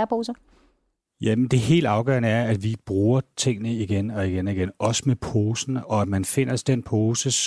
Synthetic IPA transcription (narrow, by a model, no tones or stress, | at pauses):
ɐpʰoːsɐ | jæmend̥e̝ɦe̝̰ːld̥ɑ̈ʊɡ̥ɶ̰ɐ̰nəæɐæd̥ʋib̥ʁuːɐt͡sʰe̝ŋ̰nəiɡ̥enɒ̽iɡ̥enɒiɡ̥enɒ̽səmepʰo̝ːsn̩ɒ̽æd̥mænfe̝n̰ɐsd̥enpʰoːsəs